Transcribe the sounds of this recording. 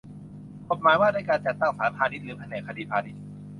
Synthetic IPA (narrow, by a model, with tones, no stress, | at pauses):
kʰo˨˩t̪̚maː˨˦jwaː˥˩daː˥˩jkaː˧nt͡ɕa˨˩t̪ːa˥˩ŋsaː˨˦npʰaː˧ni˦˥lɯː˩˦pʰa˧nɛː˨˩kʰa˧diː˧pʰaː˧ni˦˥t̪̚